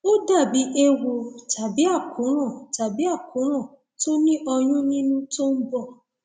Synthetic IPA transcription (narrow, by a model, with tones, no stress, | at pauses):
o˦da˦˨bi˨˦ʔe˧wo˧ta˨bi˨˦a˦˨kũ˨˦ɾ̃ã˦˨ta˨bi˨˦a˦˨kũ˨˦ɾ̃ã˦˨ | to˦nĩ˦ʔɔ˧j̃ũ˦nĩ˦nũ˦to˦n̩˦bɔ˦˨